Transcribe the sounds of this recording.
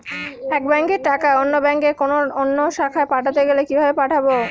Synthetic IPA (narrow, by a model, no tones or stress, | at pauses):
ɛk̚bɛŋkeɾʈakaeonːobɛŋkeɾkonoonːoʃakʰaepaʈʰat̪eɡelekibʱabepaʈʰabo